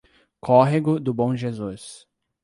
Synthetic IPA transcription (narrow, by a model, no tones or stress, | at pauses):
kʰɔɦeɡʊd̪ʊbõw̃ʒezus